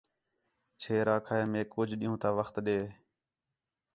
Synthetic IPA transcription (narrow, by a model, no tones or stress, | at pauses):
t͡ʃʰeːɾaːkʰaːeːmẽːkʊd͡ʒɗĩːũːt̪aːʋəxt̪ɗeː